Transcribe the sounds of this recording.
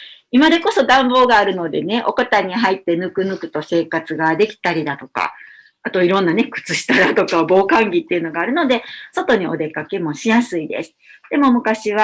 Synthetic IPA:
imad̪e̞ko̞so̞d̪ãmbo̞ːɡaːɾɯ̟no̞d̪e̞ne̞ʔo̞̰kot̪aɲ̟iɦait̪ːe̞nɯ̟kɯ̟nɯ̟kɯ̟t̪o̞se̞ːkat͡sɨɡad̪e̞kʲi̥t̪aɾʲid̪at̪o̞ka̰ | at̪o̞iɾõ̞nːane̞kɯ̟̥t͡sɨɕi̥t̪ad̪at̪o̞kabo̞ːkãŋɡʲit̪ːe̞iɯ̟no̞ɡaːɾɯ̟no̞d̪e̞so̞t̪o̞ɲ̟io̞̰d̪e̞kake̞mo̞ɕijasɨid̪e̞̰sɨ̥d̪̥e̞mo̞mɯ̟kaɕiβ̞a

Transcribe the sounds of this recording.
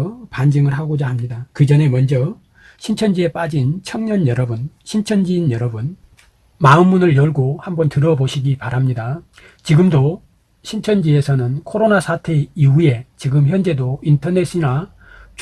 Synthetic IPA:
pand͡ʑiŋɯɭhaɡod͡ʑahamɲidakɯd͡ʑʌne̞mʌnd͡ʑʌ | ɕʰint͡ɕʰʌnd͡ʑie̞p͈ad͡ʑint͡ɕʰʌŋɲʌnjʌɾʌbun | ɕʰint͡ɕʰʌnd͡ʑiːnjʌɾʌbun | maɯmːunɯɭjʌɭɡohambʌntɯɾʌboɕʰiɡipaɾamɲida | t͡ɕiɡɯmdo | ɕʰint͡ɕʰʌnd͡ʑie̞sʰʌnɯnkʰoɾonasʰatʰe̞iue̞t͡ɕiɡɯmçjʌnd͡ʑe̞dointʰʌne̞s͈ina | t͡ɕ

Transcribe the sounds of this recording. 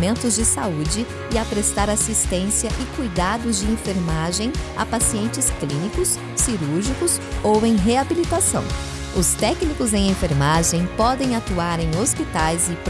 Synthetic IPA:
mẽnt̪ʊzd͡ʒɪsaud͡ʒɪ | ɪapɾest̪aɾasist̪ẽsiɐʔɪkujd̪ad̪ʊzd͡ʒɪẽfeɾmaʒẽj̃a̰pasiẽnt͡ʃɪsklĩnikʊs | siɾuɾʒikʊs | owẽj̃ɦeabilit̪asɐ̰̃w̃ | ʊst̪ɛknikʊzẽj̃ẽfeɾmaʒẽj̃pɔd̪ẽj̃at̪uaɾẽj̃ospit̪ajzɪp

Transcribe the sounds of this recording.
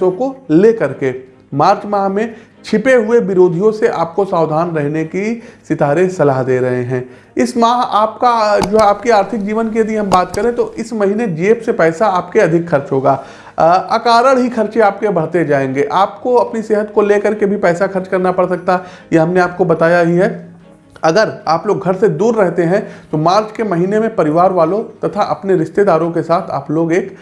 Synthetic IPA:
õkoleːkɐɾke | maːɾt͡ʃmaːɦmẽ | t͡ʃʰɪpeɦʊebɪɾoːd̪ʱijõseʔaːp̚kosaːwd̪ʱaːnɾɛɦnekisɪt̪aːɾẽsɐlaɦd̪eːɾɐɦeɦɛ̃ː | ɪsmaːɦaːpkad͡ʒoːaːpkiaːɾt̪ʰɪk̚d͡ʒiːʋənkiɐd̪iɦɐ̃mbaːt̪kɐɾẽt̪oʔɪsmɐɦiːned͡ʒeːpsepɛːsaaːpkeɐd̪ʱɪkxɐɾt͡ʃɦoːɡaː | ɐkaːɾəɽɦixɐɾt͡ʃeaːp̚kebɐɽ̤t̪ed͡ʒaːẽːŋɡeːʔaːpkoɐpniseːɦət̪koleːkɐɾkebʱipɛːsaxɐɾt͡ʃkɐɾnapɐɽsɐk̚t̪aɦjeɦɐmneaːp̚kobɐt̪aːjaɦiɦɛ | ɐɡəɾaːploːɡɡʱɐɾsed̪uːɾːɛɦt̪eɦɛ̃t̪omaːɾt͡ʃkemɐɦiːnemẽpɐɾɪʋaːɾʋaːlot̪ɐt̪ʰaʔɐpneɾɪʃt̪ed̪aːɾõkesaːt̪ʰa̰ːploːɡeːk

